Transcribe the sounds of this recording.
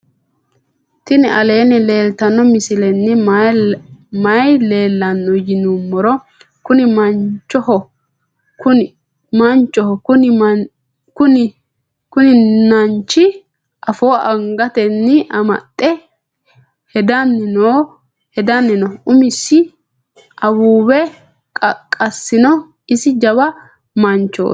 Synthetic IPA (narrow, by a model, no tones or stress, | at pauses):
t̪ɪnɪʔɐle̞ːnɪle̞ːlt̪ɐnːɔmɪsɪlɛnːɪ | mɐjle̞ːlːɐnːɔjɪnumːɔɾɔ | kʊnɪmɐnt͡ʃːɔhɔ | ʊ | mɐnt͡ʃʼːɔhɔkʊn | kʊnɪ | kʊnɪnɐnt͡ʃːɪ | ʔɐfoːɐŋɡɐt̪ɛnːɪʔɐmɐ̰t̪ʼːɛ | hɛd̪ɐnːɪno | hɛd̪ɐnːɪnɔʊmɪsːɪ | ɐwuːbɛ | kʼɐsːɪnɔ | ɪsɪd͡ʒɐbɐ | mɐnt͡ʃːo̰ː